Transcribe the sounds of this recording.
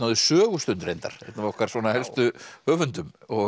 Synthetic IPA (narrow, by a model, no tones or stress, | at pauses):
aðʏsœːɣʏst̪ʏnt̪ɾejnt̪a̰ɾ̥ɛ̰t̪navɔhkaɾsvɔːnahɛlst̪ʏhœːvʏnt̪ʏmɔ